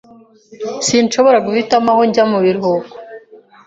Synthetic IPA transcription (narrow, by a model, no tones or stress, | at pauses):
sinʃo̞βoɾaɡufitamaho̞ɲɟamuβiɾhobɡo